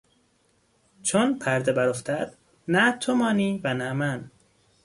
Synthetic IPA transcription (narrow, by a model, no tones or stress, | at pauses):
t͡ʃʰonpʰæɾd̪ebæɾoft̪ʰæd̪̥ | næt̪ʰomɒːniːvænæmæn